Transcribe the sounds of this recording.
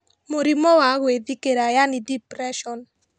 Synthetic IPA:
moɾimɔwaɣwedikeɾajanidipɾɛʃɔn

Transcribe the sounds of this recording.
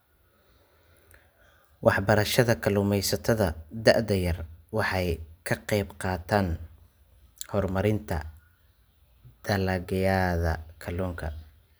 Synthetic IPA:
wʔɑħbɐɾɐʃɐðɐkʰɐlʊmɛjsɐt̪ʰɐðɐd̪ɐʔd̪ɐjɐrwɑħɑjkʰɐqɛjbqɑːt̪ʰaːn | hɔrmɐɾɪnt̪ʰɐ̰ | d̪̥ɐlɐɣɐjaːðɐkʰɐlɔːŋkʰɐ̰

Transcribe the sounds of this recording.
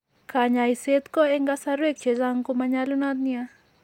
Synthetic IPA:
kaɲaiset̪kɔɛŋɡasaɾwek̚t͡ʃezaŋkomaɲalunat̪̚nia

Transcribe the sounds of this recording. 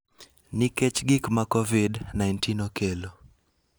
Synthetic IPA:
nɪkɛt͡ʃɡikmakɔvidnajntinokelo

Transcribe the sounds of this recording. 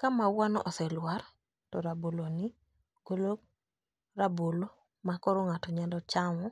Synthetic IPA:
kamawanɔʔɔsɛlwaɾ | tɔɾaboloni | ɡ̥olok̚ | ɾabolo | makɔɾoŋatɔɲandɔt͡ʃaŋɔ

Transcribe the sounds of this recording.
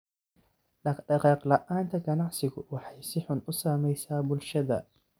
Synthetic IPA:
ɖɑɖɑqɑːqlɐʔaːnt̪ʰɐɡɐnɑʕsɪɣʊwɑħɑjsɪħʊnʊsaːmɛjsaːbʊlʃɐðɐ̰

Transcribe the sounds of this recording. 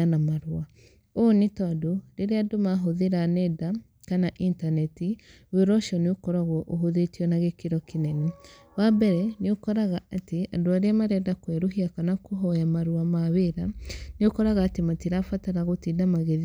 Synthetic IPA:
anamaɾwa | onetɔadoɾeɾeadomaɦoðeɾanɛda | kanaʔintanɛti | weɾɔʃɔneokɔɾaɣwɔʔoɦoðetiɔnaɣekiɾɔkenɛnɛ | wabɛɾɛneokɔɾaɣaʔatea̰doaɾeamaɾɛndakwɛɾoɦiakanakoɦɔjamaɾuamaweɾaneokɔɾaɣaːtematiɾafataɾaɣotiːndamaɣeð

